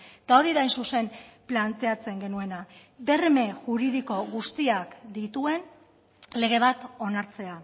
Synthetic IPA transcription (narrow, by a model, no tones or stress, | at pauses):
t̪ao̞ɾiðajnsuse̞mplant̪e̞at͡se̞ŋɡe̞nue̞na | ðe̞rme̞ʝuɾiðiko̞ɣust̪iakd̪it̪ue̞n | le̞ɣ̞e̞β̞at̪o̞naɾt͡se̞a